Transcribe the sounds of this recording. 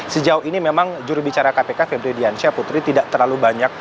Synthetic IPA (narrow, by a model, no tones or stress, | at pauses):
səd͡ʒauhinimemaŋd͡ʒuɾubit͡ʃaɾakapekafebɾidiansiaput̪ɾit̪idaʔt̪ərlalubaɲak̚